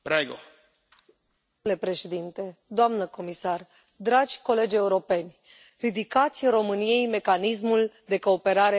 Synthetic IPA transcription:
bɾajɡo̰ | oule̞pɾe̞ʃed̪int̪e̞d̪oamnəko̞misar | d̪ɾad͡ʒʲko̞le̞d͡ʒʲe̞uɾo̞pe̞nʲ | rid̪ikat̪sʲɾo̞mɨnije̞jme̞kanis̬muld̪e̞ko̞ːpe̞ɾaɾe

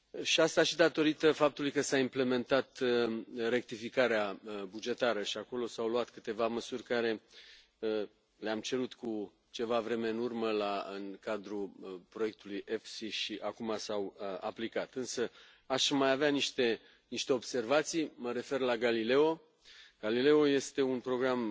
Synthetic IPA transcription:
ʃiast̪aʃid̪at̪o̞ɾit̪əfap̚t̪ulujkəsaimple̞me̞nt̪at̪ | ɾe̞k̚t̪ifikaɾeabud͡ʒe̞t̪aɾəʃiako̞lo̞sawluwat̪kɨt̪e̞vaməsurʲkaɾe̞ | ə | leamt͡ʃe̞ɾut̪ku | t͡ʃe̞vavɾe̞me̞ɨnurməlaɨŋkad̪ɾupɾojek̚t̪ulujʔe̞fsiʃiʔakumasawa̰plikat̪ɨnsə | aʃmajaveaniʃt̪e̞ | niʃt̪e̞o̞bse̞rvat̪sijməɾe̞fe̞rlaɡalile̞o̞ | ɡ̥alile̞o̞je̞st̪e̞unpɾo̞ɡɾam

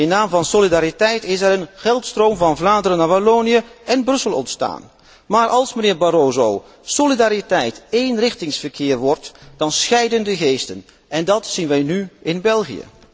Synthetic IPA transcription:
ɪnːaːmvɑnsolidaːɾitɛjtɪsɛɾənχɛlˠtstroːmvɑnvlaːdəɾənabaloːnijəɛnbrɵsəlˠɔ̰ntsta̰ːn | maːɹʔɑlˠsmənɪːɹbaɾoːzow | solidaːɾitɛjtejnrɪχtɪŋsfəɹkʰɪːɹʋɔɹtd̥ɑnsxɛjdəndəɣeːstən | ʔɛndɑtsinʋɛjnyɪnbɛlˠχijə̰

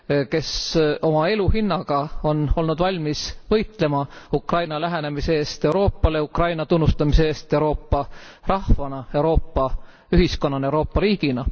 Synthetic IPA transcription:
ke̞sʔo̞mɑe̞luhinːɑɡ̥ɑo̞no̞lnud̪̥vɑlʲmisvɤ̞jt̪le̞mɑukrɑjnɑlæɦene̞miseeːst̪e̞wɾo̞ːpːɑleukrɑjnɑt̪unːust̪ɑmiseeːst̪e̞uwɾo̞ːpːɑrɑhvɑnɑe̞uwɾo̞ːpːɑ | yɦisko̞nːɑnewɾo̞ːpːɑɾiːɡ̥inɑ

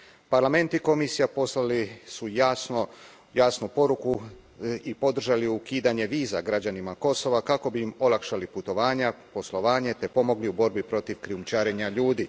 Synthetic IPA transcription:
paɾlame̞nt̪iko̞misijaposlalisu | jaːsnupo̞ɾuku | ipo̞d̪r̩ʒaliukiːd̪aɲe̞ʋiːzaɡɾad͡ʑanimako̞so̞ʋakako̞biimo̞lakʃaliput̪o̞ʋaːɲapo̞slˠo̞ʋaːɲe̞t̪e̞po̞mo̞ɡliubo̞ɾbipɾo̞t̪iʋkɾiumt͡ʃaːɾe̞ɲaʎuːd̪i

